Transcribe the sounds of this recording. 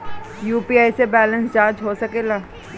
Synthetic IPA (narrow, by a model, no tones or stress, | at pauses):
juːpiːaːjsebɛːlə̃nsd͡ʒaːɾd͡ʒɦoːsɐkeːlaː